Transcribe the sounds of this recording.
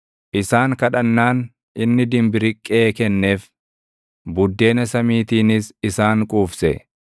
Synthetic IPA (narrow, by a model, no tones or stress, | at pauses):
ʔɪsaːŋkɐᶑɐnːaːn | ʔɪnːɪd̪ɪmbɪɾɪkʼːe̞ːkɛnːe̞ːf | bʊd̪ːe̞ːnɐsɐmiːt̪iːnɪsɪsaːŋkʼuːfsɛ